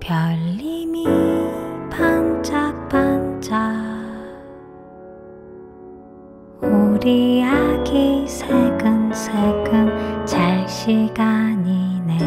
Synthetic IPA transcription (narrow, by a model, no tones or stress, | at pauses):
pjʌlːimi | pʰant͡ɕapant͡ɕa | uɾiaɡisʰeɡɯnsʰeɡɯnt͡ɕaɭɕiɡaɲine